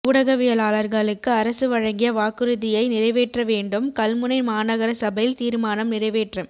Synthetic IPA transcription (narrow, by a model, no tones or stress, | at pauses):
kuːɽɐɣɐʋɪjɐlaːɭɐɾɣɐɭɯkːɯɐɾɐsɯʋɐɻɐŋɡɪjɐʋaːkɯɾɯðɪjɐɪnɪrɐɪʋeːʈrɐʋeːɳɖɯmkɐlmɯnɐɪmaːnɐɣɐɾɐsɐbɐjɪlt̪iːɾmaːnɐmnɪrɐɪʋeːʈrɐm